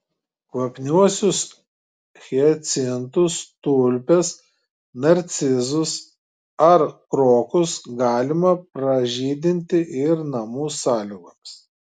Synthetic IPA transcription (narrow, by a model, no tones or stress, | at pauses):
kʋɐpʲnʲuɔsʲʊs | xʲɛɛt̪sʲɪnt̪ʊst̪ʊlʲpʲɛs | nɐɾʲt̪sʲɪzʊs | ɐɾkɾoːkʊsɡɑːlʲɪmɐpɾɐʒʲiːd̪ʲɪnʲt̪ʲɪʔɪɾnɐmuːsɑːlʲɪɡoms